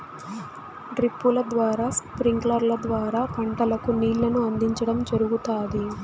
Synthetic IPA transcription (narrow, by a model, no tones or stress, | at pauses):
ɖɾipːulɐd̪ʋaːɾaːspɾiŋɡlɐɾlɐd̪ʋaːɾaːpɐɳʈɐlɐkuniːɭːɐnuɐnd̪iɲt͡ʃɐɽɐmd͡ʒɐɾuɡut̪aːd̪i